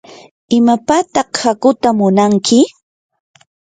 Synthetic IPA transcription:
ɪmapat̪ɑχhakʊt̪amʊnaŋkʰɪ

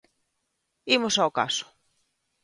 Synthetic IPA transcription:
imʊsaoka̰sʊ̥

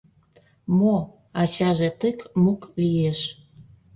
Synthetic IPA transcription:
mo | ɑt͡ɕɑʒet̪əkmuklieʃ

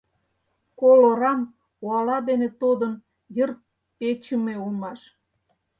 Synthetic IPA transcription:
koloɾɑm | uɑlɑd̪enet̪od̪ən | jər | pet͡ɕə̆meulmɑʃ

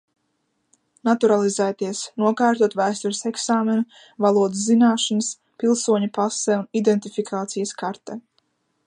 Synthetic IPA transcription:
nat̪uɾalˠizæːt̪iɛsnuɔkaːɾt̪uɔt̪væːst̪uɾɪsɛksaːmɛnu | valˠuɔd̪ɨs̬ːinaːʃɔnəs | pilˠsuɔɲɐpasɛunid̪ɛnt̪ifikʰaːt̪sijɐskaɾt̪ɛ

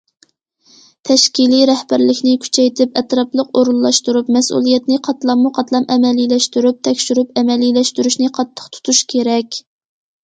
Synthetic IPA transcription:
t̪ʰɛʃkʲiliɾɛhbæɾlɪkʲnɪkʲʰy̥t͡ʃʰɛjt̪ʰɪpɛt̪ɾɑplˠəqoɾulˠːɑʃt̪uɾupmɛsṵlˠijɛt̪nɪqʰɑt̪lˠɑmːuqʰɑt̪lˠɑmʔɛmɛlilɛʃt̪yɾyp̚t̪ʰɛkʲʃyɾypɛmɛlilɛʃt̪yɾyʃnɪqʰɑt̪ʰːə̥qt̪ʰu̥t̪ʰuʃkʲʰeɾɛkʲ

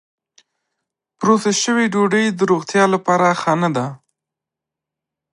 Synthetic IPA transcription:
pɾosaʃəwiɖoɖəjd̪əɾoɣt̪jɑlapɑɾaxanad̪a

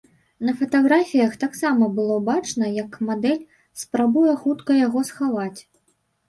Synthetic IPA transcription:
nɐfɐt̪aɣɾafʲijɐxt̪aksamɐbɨlˠɔbat͡ʂnɐjɐkmad̪ɛlʲ | spɾabujɛxut̪kɐjaɣɔsxavat͡sʲ

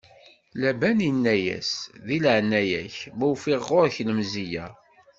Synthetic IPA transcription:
læbænənːæjæ̰sðilʕnːæjæ̰çmuwfiʁoɾçləmzijæ

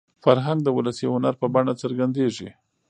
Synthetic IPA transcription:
faɾɦaŋɡ̚d̪əwʊləsiʊnaɾpəbaɳat͡səɾɡand̪eʐi

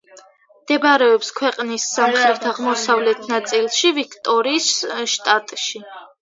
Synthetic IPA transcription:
md̪̥ɛbaɾɛɔpskʰwɛqʼnisːamχɾɛt̪ʰaʁmɔsavlɛt̪ʰnat̪sʼilˠʃivikʰt̪ʼɔɾiːsʃt̪ʼat̪ʼʃi

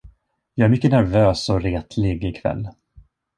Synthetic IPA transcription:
jɑːæɾmʏkːənæɾvøːsɔɾeːt̪ʰlɪɡɪkʰvɛ̰lː

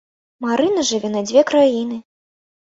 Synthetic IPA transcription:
maɾʔɨnɐʐɨvʲɛnɐd͡zʲvʲɛkɾajinɨ

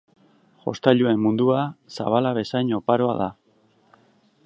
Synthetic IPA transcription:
ʝo̞̰st̪aʎue̞mmund̪uasa̰βalaβe̞sajɲo̞paɾoa̰ða

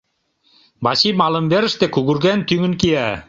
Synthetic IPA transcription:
bɑsimɑlə̆mbeɾə̆ʃt̪ekuɣuɾɣænt̪yŋə̆nkijæ

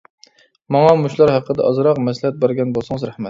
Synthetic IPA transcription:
mɑŋɑmuʃlˠɑɾhɑqʰːəd̪ɛʔɑzɾɑqmɛslɪhɛt̪̚bæɾɡʲɛnbolˠsɨŋəzɾæhmɛt̪

